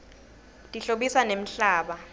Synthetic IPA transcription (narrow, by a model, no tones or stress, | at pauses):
tʼiɬoɓisanem̩ɬaːɓa